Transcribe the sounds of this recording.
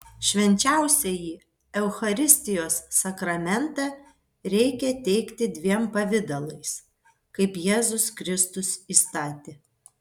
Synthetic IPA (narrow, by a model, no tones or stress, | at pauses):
ʃʲʋʲɛnʲt͡ʃʲæʊsʲɛjiː | ɛʊxɐɾʲɪsʲt̪ʲɪjoːsːɐkɾɐmʲɛnt̪ɑ | ɾʲɛɪkʲɛt̪ʲɛɪkt̪ʲɪd̪ʲʋʲiɛmpɐʋʲɪd̪ɐlˠɐɪs | kɐɪpjeːzʊskɾʲɪst̪ʊsiːst̪ɑːt̪ʲeː